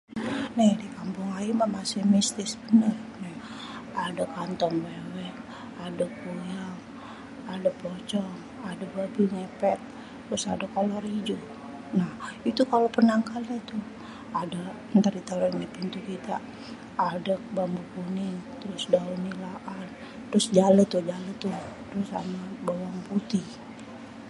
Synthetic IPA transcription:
nadikampʊŋaimamasɪhmist̪ɪsbənərna | adakant̪ɔŋbewɛk | adək̚ːujaŋ | adapɔt͡ʃɔŋ | adababuŋepɛt̪̚ː | ɾʊsa̰dakːalorid͡ʒu | nahit̪ukalopənaŋkalɲat̪ʊh | ada | nt̪aɾit̪aɾanapint̪ukit̪a | adək̚bambuɡunint̪ɾʊsdaunilaʔan | t̪ɾʊsd͡ʒalət̪ːʊd͡ʒalət̪ʊt̪ɾʊsa̰mabawaŋput̪i

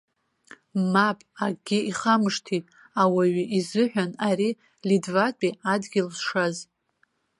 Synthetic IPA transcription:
mapʼaɡʲɪiχamɨʂtʰitʼ | awaɥiʔizɨħᶣʷanaɾi | lidvat͡pʷʼiadɡʲɪlsʂaz

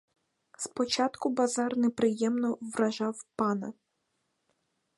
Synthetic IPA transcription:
spɔt͡ʃɑt̪kʊbɐzɑrnɛpɾɪjɛmnɔʋɾɐʒɑwpɑnɐ̰

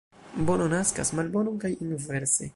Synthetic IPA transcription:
bononaskasmalbo̞nokajinveɾsḛ

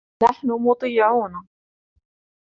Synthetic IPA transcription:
naħnʊmʊt̪ˤɑjːɪʕuːna

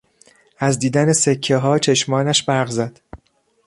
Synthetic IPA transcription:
ʔæzd̪iːd̪ænesekʰːeɦɒːt͡ʃʰe̞ʃmɒːnæʃbæɾɣzæd̪̥

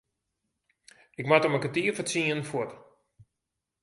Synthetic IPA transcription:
ɪkmatəməkətiːəfət͡siənfot

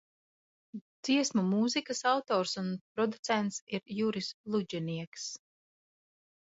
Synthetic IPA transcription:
d̪z̥iɛsmumuzikɐsawt̪ɔːɾsunpɾɔd̪ut̪sɛnt̪siɾjuɾislˠud͡ʒɛniɛks

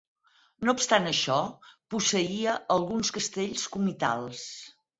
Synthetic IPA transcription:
noupst̪anəʃɔpusəiəʔəlˠɣunskəst̪eʎskumit̪a̰lˠs

